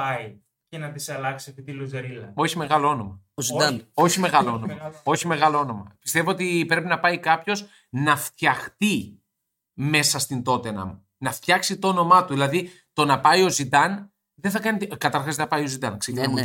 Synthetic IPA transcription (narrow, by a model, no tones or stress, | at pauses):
ɐj | cenɐt̪isɐlɐksiepit̪ilozeɾilɐo̞çime̞ɣɐloo̞no̞mɐozid̪ɐo̞çime̞ɣɐloonomɐo̞çimeɣɐlo̞o̞no̞mɐ̰pi̥st̪e̞voot̪ipɾe̞pinɐpɐikɐpço̞s | nɐft̪çɐxt̪i | me̞sɐst̪ind̪o̞t̪enɐ̰mu | nɐft̪çɐksit̪oono̞mɐt̪uðilɐði | t̪o̞nɐpɐjo̞zid̪ɐn | ðeθɐkɐnit̪kɐt̪ɐɾxɐzðeɐpɐio̞zid̪ɐnksecinɐmu